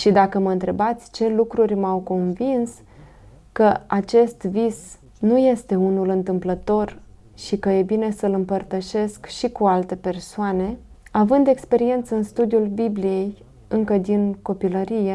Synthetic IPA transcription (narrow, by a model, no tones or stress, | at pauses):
ʃid̪akəməɨnt̪ɾe̞bat̪sʲt͡ʃe̞lukɾurʲmawko̞nvins | kəat͡ʃe̞st̪vis | nuje̞st̪e̞unulɨnt̪ɨmplət̪o̞r | ʃikəje̞bine̞səlɨmpərt̪əʃe̞skʃikualt̪e̞pe̞rsoane̞avɨnd̪e̞kspe̞ɾie̞nt̪səɨnst̪ud̪iulbiblije̞j | ɨŋkəd̪inko̞piləɾije